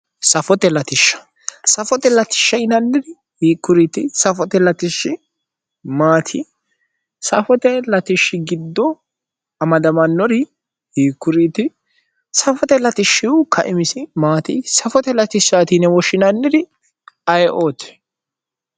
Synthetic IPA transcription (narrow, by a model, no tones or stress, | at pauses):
sɐfɔt̪ɛlɐt̪ɪʃːɐ̥ | sɐfɔt̪ɛlɐt̪ɪ̥ʃːɐjɪnɐnːɪd̪ɪ | hiːkːʊɾiːt̪ɪsɐfɔt̪ɛlɐt̪ɪʃːɪ | maːt̪ʰɪ | sɐfɔt̪ɛlɐt̪ɪʃːɪɡɪd̪ːɔ | ɐmɐd̪ɐmɐnːɔɾɪ | hiːkːʊɾiːt̪ɪ | sɐfɔt̪ɛlɐt̪ɪʃːɪwʊkʰɐʔɪmɪsɪmaːt̪ɪ̰sɐfɔt̪ɛlɐt̪ɪʃaːt̪inɛwɔʃɪnɐnːɪd̪ɪ | ɐjʔoːt̪ɛ̥